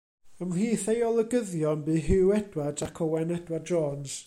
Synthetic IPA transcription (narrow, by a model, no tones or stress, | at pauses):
əmliːθejɔlˠəɡəðjɔnbɨːɦɪwɛd̥wadakʰɔwɛnɛdwadd͡ʒɔːns